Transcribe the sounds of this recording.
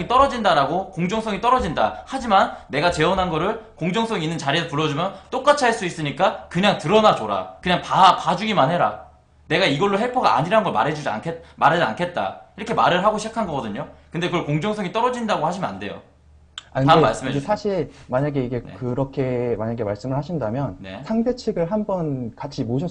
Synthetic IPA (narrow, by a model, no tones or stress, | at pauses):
ŋit͈ʌɾʌd͡ʑindaɾaɡokoŋd͡ʑʌŋs͈ʰʌŋit͈ʌɾʌd͡ʑindahad͡ʑimanːe̞ɡat͡ɕe̞ʌnɦanɡʌɾɯɭkoŋd͡ʑʌŋs͈ʰʌŋinːɯnt͡ɕaɾiesʰopuɭːʌd͡ʑumjʌnt͈ok͈at͡ɕʰiɦaɭs͈uis͈ɯɲik͈akɯɲaŋtɯɾʌnat͡ɕoɾa̰kɯɲaŋpapad͡ʑuɡimanhe̞ɾa̰ | ne̞ɡaiɡʌɭːoɦepʰʌɡaa̰ɲiɾaɯnɡʌɭma̰ɾɦe̞d͡ʑud͡ʑia̰kʰemaɾɦed͡ʑa̰nkʰe̞t̚t͈a̰iɾʌkʰe̞maɾɯɭɦaɡoɕʰid͡ʑakʰanɡʌɡʌdɯɲokɯndekɯʌɭkoŋd͡ʑʌŋs͈ʰʌŋit͈ʌɾʌd͡ʑindaɡohaɕʰimjnande̞jo̰ | akaemaɭs͈ɯmaesʰaɕʰiɭmaɲaɡe̞iɡe̞kɯɾʌkʰe̞maɲaɡemaɭs͈ɯmɯɭhaɕʰindamjʌnne̞̰sʰaŋsʰet͡ɕʰiɡɯɭɦanbʌnkat͡ɕʰimoɕʰʌ